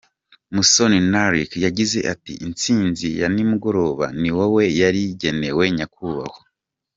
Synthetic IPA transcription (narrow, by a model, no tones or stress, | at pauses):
musoninaɾikjaɟize̞ʔatḭʔint͡siːnzijanimuɡo̞ɾo̞ːβa̰niwowe̞jaɾiɟe̞ne̞we̞ɲakuβa̰ho